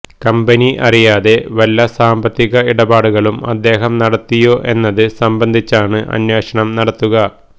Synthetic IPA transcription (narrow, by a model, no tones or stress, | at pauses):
kɐmbɐniʔɐrijaːðe̞ʋɐlːɐsaːmbɐt̪ːiɣɐiɽɐbaːɽuɣɐɭumɐ̰d̪ːe̞ːɦɐmnɐɽɐt̪ːijo̞ːʔe̞nːɐðɨsɐmbɐnd̪ʱit͡ɕːaːɳɨʔɐ̰nje̞ːʂɐɳɐmnɐɽɐt̪ːuɣɐ